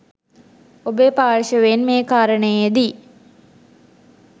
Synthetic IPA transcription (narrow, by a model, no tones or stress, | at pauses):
obepaːɾʃəʋenmeːkaːɾəɳəjed̪i